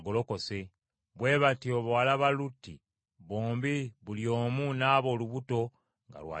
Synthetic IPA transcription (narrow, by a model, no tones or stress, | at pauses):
ɡolo̞ko̞se̞ | βwe̞ːβatio̞βalaβalutːi | βoːmbiβuljo̞ːmunaːβo̞ːluβuto̞ | ŋɡa̰lwa̰ː